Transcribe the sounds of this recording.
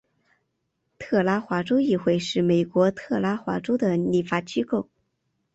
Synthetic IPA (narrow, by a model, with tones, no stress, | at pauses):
t̪ʰɤ˥˩la˥xwa˧˥ʈ͡ʂo˥ʊi˥˧xwe˥˧ɪʂɻ̩˥˩me˨˩ɪkwɔ˧˥t̪ʰɤ˥˩la˥xwa˧˥ʈ͡ʂo˥ʊd̪ə˨ni˨˩fa˧˥t͡ɕi˥ko˥˩ʊ